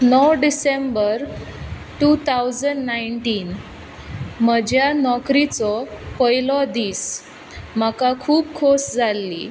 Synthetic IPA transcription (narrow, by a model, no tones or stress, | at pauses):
nəwɖisembəɾ | ʈut̪ʰawd͡zəɳɖnaiɳʈiːn | məd͡ʑʱjanɔkɾit͡sɔpɔjlɔd̪iːs | m̤əkakʰuːp̚kʰosd͡zʱalːḭ